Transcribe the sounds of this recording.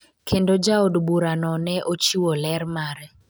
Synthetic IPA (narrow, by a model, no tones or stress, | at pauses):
kʰendod͡ʒaodbuɾanɔnɛʔot͡ʃiwolɛɾmaɾɛ